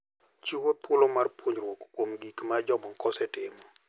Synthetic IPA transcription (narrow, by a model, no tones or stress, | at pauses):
t͡ʃiwopʰulomarpʰuɲɾwɔkkomɡikmad͡ʒɔmɔŋkɔsɛtɪmɔ